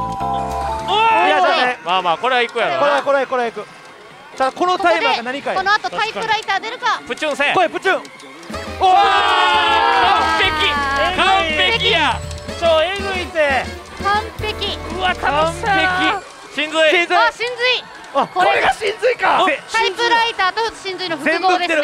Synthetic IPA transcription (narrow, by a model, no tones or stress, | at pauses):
jaaemaːmaːko̞ɾeɡaikɯjankoɾeakoɾaekɯɾeaikɯ̟ | t̪ad̪akonot̪aiaɡanaɲ̟ikajonoat̪ot̪aiɯɾait̪aːd̪eɾɯ̟kapɯ̟t͡ɕɯ̃sẽkoepɯ̟t͡ɕɯ̃ŋ | o | kapekʲikãpekʲjat͡ɕoːeɡɯit̪e | kãmpekʲiɯakaeki | ɕĩnd͡zɨiĩzɨɕĩnd͡zɨi | akokoɾeɡaɕĩnzɨikaeɕt̪aipɯɾait̪aːt̪oɕĩnzɨinoɸɯekɯ̃nod̪eːeɾɯ